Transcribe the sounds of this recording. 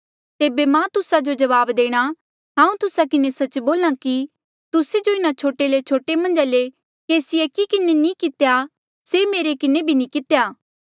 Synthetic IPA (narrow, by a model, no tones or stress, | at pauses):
t̪eːbemãt̪ʊsad͡ʒod͡ʒɐʋaːbd̪eːɽ̃a | ɦãːũt̪ʊsakɪnesɐt͡ʃboːlãki | t̪ʊsed͡ʒoɪnat͡ʃʰoːʈelet͡ʃʰoːʈemɐ̃nd͡ʒale | keːsiekikɪnenĩkɪt̪ja | semeːɾekɪnebʱinĩkɪt̪ejaː